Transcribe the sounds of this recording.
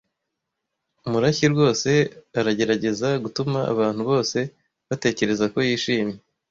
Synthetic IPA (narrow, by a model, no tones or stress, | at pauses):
umuɾaçiɾɡo̞ːse̞aɾaɟe̞ɾaɟe̞zaɡutuma̰ːβaːn̥huβo̞ːse̞ | βate̞ːce̞ɾe̞zako̞jiːʃiːmɲe